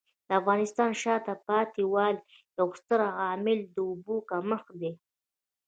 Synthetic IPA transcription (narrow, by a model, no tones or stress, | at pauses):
d̪əafɣɑnɪst̪ɑnʃɑt̪apɑt̪iwɑl | jawst̪əɾaɣɑmɪld̪əʊbukaməxd̪e